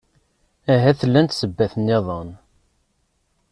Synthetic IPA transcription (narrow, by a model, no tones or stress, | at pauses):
æɦæθəlːænt̪səbːæθənːeðˤən